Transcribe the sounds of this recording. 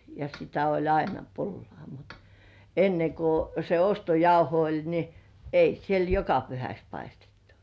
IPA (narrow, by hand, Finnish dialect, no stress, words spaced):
jɑ sitæ olʲ ɑinɑ pulːŏɑˑ mut enːeŋ ku se ostojɑuho olʲ ni ei siel jokɑ pyhæks pɑistetːu̥